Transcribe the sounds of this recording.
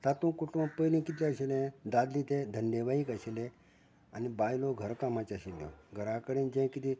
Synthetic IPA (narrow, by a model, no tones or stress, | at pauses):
sat̪ũkuʈũpəjlĩkit̪̬lẽaɕelɛ̃d̪ad̪lit̪ed̪ʱənɖeʋaikəɕelẽ | anibajloɡʱəɾkamãt͡ɕaɕiljɔ̰ɡʱəɾãkəɽẽnd͡ʑɛ̃kit̪i